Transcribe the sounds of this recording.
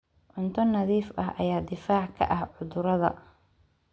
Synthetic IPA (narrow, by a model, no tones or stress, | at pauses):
ʔʊnt̪ʰɔnɐðiːfʔɐɦʔɐ̰jaːd̪ɪfaːʕkʰɐ̰ʔɐhʕʊðʊɾɐðɐ̰